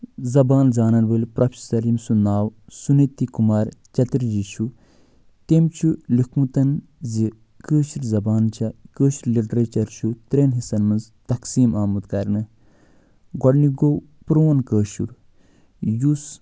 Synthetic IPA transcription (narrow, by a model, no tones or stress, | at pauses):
zɐbaːnzaːnɐnbəlpɾɐpʰisɐɾimsunaːwsunet̪ːikumaːɾt͡ʃɐt̪ɾd͡ʒit͡ʃʰu | t̪emt͡ʃʰulikmut̪ɐnzi | kəːʃuɾzɐbaːnt͡ʃʰakəːʃuɾliʈɾet͡ʃɐɾt͡ʃʰut̪ɾeːnɦisɐnmɐnzt̪ɐksiːmaːmɐd̪kɐɾnɨ | ɡɔɖniɡowpɾoːnkəːʃṵɾ | jus